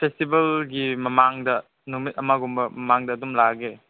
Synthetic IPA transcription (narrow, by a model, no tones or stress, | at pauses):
pʰestibɐlɡimɐmaŋdɐ | numit̚ɐmaɡumbɐmɐmaŋdɐːdumlaɡe